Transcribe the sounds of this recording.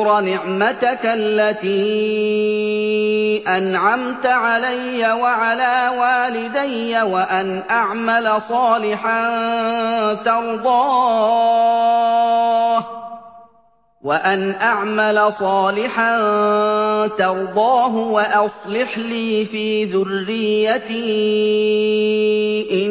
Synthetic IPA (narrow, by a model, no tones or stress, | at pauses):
ɾɑnɪʕmat̪akalːat̪iː | ʔanʕamt̪aʕalajːawaʕalaːwaːlɪd̪ajːawaʔanʔaʕmalasˤɑːlɪħan | t̪ɑɾˤd̪ˤɑː | h | waʔanʔaʕmalasˤɑːlɪħan | t̪ɑɾˤd̪ˤɑːɦʊwaʔɑsˤlɪħliːfiːðʊrːɪjːat̪iː | ʔɪ